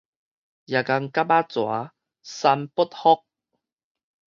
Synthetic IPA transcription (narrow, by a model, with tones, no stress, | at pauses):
ja˨˩ka˧ŋka˦˥pa˦˥t͡swa̰˨˦ | sa˧mpu˥t̪̚hɔ˦˥k̚